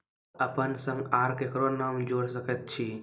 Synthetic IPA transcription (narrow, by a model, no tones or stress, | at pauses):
əpənsəŋɡaɾkekɾonamd͡ʒoɽsəkət̪̚t͡ʃʰi